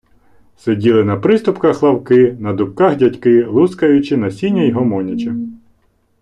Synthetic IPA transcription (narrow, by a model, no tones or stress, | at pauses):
sedʲilˠɪnɐpɾɪst̪ʊpkɐxlˠɐwkɪnɐd̪ʊpkɑxdʲɐtʲkɪlˠuskɐjʊt͡ʃɪnɐsʲinʲːɐjiɦɔmɔnʲit͡ʃɐ